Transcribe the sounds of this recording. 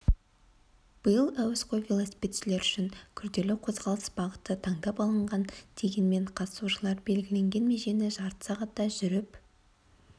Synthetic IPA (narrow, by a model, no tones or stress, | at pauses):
b̥əjəlˠæwɪsqʰojvʲelˠosi̥pʲet̪ʃɪle̞ɾʏʃɪŋkʲʰʏɾd̪e̞lɪqʰo̞zʁɑlˠəsbɑʁət̪ːət̪ʰɑɴd̪ɑpɑlˠəɴʁɑnd̪̥e̞ɡʲe̞nme̞ɴqʰɑt̪ə̥suʒəlˠɑɾbe̞lɡʲɪle̞ŋɡʲe̞nme̞ʒe̞nɪʒɑɾt̪ə̥sɑʁɑt̪ːɑʒʏɾɪp